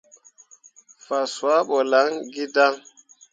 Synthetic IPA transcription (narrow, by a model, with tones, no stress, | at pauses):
fa˨su˨a˦ɓɔ˨la˨˦ŋɡi˦da˦ŋ